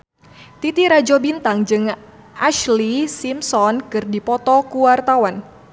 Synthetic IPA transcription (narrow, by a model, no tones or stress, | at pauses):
t̪it̪iɾad͡ʒɔbint̪aŋd͡ʒɨŋ | aʃlisimsɔnkɨrdipɔt̪ɔkuwart̪awan